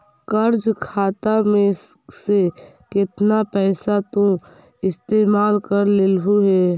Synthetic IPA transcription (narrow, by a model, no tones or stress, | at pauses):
kəɾd͡ʒkʰaːt̪amẽse | kɪt̪napɛːsat̪õ | ɪst̪eːmaːlkəɾleːlɦuɦɛː